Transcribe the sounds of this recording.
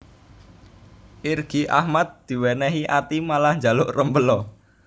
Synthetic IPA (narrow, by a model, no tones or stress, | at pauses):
ʔirɡ̥i̤ʔa̰hmad̪̚d̪̥i̤wɛnɛɦiʔat̪imalahɲd͡ʒa̤lʊʔrəmbəlɔ